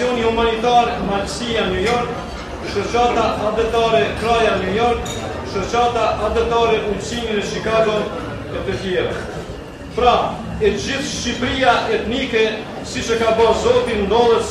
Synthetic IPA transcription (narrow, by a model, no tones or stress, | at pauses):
ɔnihumanit̪aɾmalsijanjujɔɾk | ʃət͡ʃat̪aʔad̪ɛt̪aɾɛkɾajanjujɔɾk | ʃəɾt͡ʃat̪aʔad̪ɛt̪aɾɛumsiminɛʃikaɡɔ | ɛt̪ət̪jɛɾa | pɾa | ɛt̪d͡ʒiθʃt͡ʃipɾijaʔɛt̪nikɛ | sit͡ʃəkabazɔt̪ind̪ɔlˠət̪